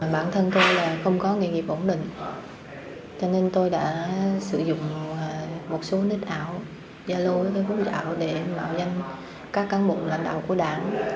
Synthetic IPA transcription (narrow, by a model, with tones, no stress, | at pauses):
ɓaː˧˩nt̪ʰə˧nt̪o˧jlaː˨˩xə˧wŋ͡mkɔ˨˦ŋe˨˧˨ŋi˨əp̚ʔo˧˩nɗï˧˨ŋ̟ | t͡ɕɔ˧ne˧nt̪o˧jɗa̰ː˧˥sɨ̰˧˩zʊ̰˧˨ŋ͡m | mo˨˩t̚so˨˦ni˦˥t̚ʔaː˧˩˨w | zaː˧lo˧t̪o˧jvu˦˥t̚za̰ː˧˨wɗe˧˩ma̰ː˧˨wza˧jŋ̟ | kaː˦˥kːaː˨˦nɓʊ̰˨˩ŋ͡m̚la̰˧˨jŋ̟ɗa̰ː˧˨wku˧˩əɗaː˧˩n